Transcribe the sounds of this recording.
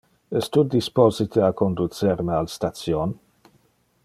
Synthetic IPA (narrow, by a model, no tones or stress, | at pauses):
ɛst̪ud̪ispozit̪ʰeakond̪ut͡seɾməalst̪asjon